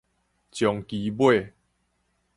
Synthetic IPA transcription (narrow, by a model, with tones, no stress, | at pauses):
t͡ɕjɔ˨ŋki˨bwe˥˧˨